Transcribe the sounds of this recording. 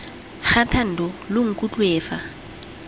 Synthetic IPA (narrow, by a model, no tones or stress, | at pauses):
χatʰan̩dɔlʊŋ̩kʼut͡ɬʼweːfa